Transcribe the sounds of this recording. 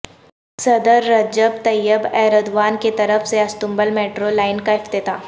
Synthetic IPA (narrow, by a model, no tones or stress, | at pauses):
sɐd̪əɾːɐd͡ʒəbt̪ɐjːəbɛːɾəd̪ʋaːnket̪ɐɾəfseɐst̪ʊ̃mbəlmeːʈɾolaːɪnkaɪft̪ɪt̪aː